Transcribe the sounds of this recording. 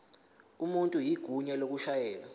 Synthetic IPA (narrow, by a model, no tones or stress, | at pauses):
umuntʼujiɡ̥ʱuɲɛlok̬uʃajɛːla